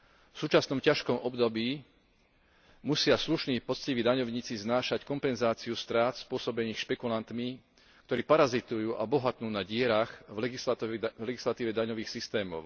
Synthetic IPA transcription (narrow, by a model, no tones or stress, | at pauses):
fsuːt͡ʃasnɔmcaʃkɔmɔbd̪ɔbiː | musɪasluʃniːpɔt͡sciʋid̪aɲɔʊɲiːt͡siznaːʃackɔmpɛnzaːt͡siust̪ɾaːt̪spʊɔsɔbɛniːxʃpɛkulant̪mi | kt̪ɔɾiːpaɾazit̪ujuːʔabɔɦat̪nuːnaɟɪɛɾaxvɡisvlɛɡislat̪iːʋɛd̪aɲɔʋiːxsist̪ɛːmɔ̰ʊ